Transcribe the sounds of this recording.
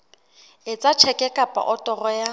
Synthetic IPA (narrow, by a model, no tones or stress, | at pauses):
ɪt͡sʼat͡ʃʰɛkʼɛkʼapʼa̰ʔɔtʼɔrɔja